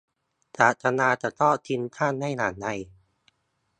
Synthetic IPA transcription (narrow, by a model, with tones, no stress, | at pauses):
taː˨˩t̪̚ːa˧naː˧t̪a˨˩t̪ɔː˥˩t̪ʰi˧nt̪ʰaː˥˩nːa˥˩jnaː˨˩˦nda˧˩j